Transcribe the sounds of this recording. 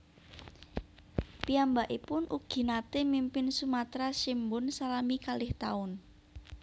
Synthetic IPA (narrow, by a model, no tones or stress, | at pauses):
piambaʔipʊnʔuɡ̥i̤nat̪emimpɪnsumat̪ɾaʃimbʊnsalamikalɪht̪aʊn